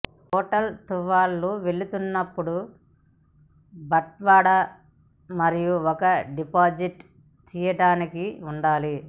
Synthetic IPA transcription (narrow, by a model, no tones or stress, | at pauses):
hɔːʈɐlt̪uʋaːlːuʋeɭit̪unːɐpːuɽu | bɐʈ̚ʋaːɽɐ | mɐɾijuɔkɐɖipaːd͡ʒiʈ | t͡ʃiːjɐʈaːnikiuɳɖaːli